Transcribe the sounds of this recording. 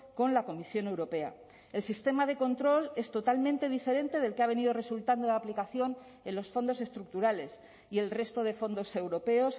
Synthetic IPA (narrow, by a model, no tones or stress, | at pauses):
ko̞nlako̞misjo̞ne̞wɾo̞pe̞a̰ | e̞lsist̪e̞maðe̞ko̞nt̪ɾo̞le̞st̪o̞t̪almẽ̞nt̪e̞ð̞ife̞ɾe̞nt̪e̞ð̞e̞lkeaβ̞e̞niðo̞re̞sult̪and̪olaplikaθjo̞n | e̞nlo̞sfo̞nd̪o̞se̞st̪ɾuk̚t̪uɾale̞s | ie̞lre̞st̪o̞ð̞e̞fo̞nd̪o̞se̞wɾo̞pe̞o̞s